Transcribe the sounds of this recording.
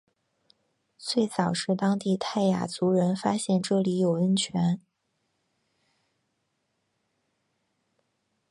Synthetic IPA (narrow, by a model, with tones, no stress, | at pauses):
t͡swe˥˩ɪt͡sɑ˨˩ʊʂɻ̩˥˩t̪ɑ˥ŋt̪i˥˧t̪ʰa˥˩ɪja̰˨˩t͡su˧˥ɻə˧˥nfa˥ɕjɛ˥˧nʈ͡ʂɤ˥˩li˧˥jo˨˩ʊə˥nt͡ɕʰɥɛ˧˥n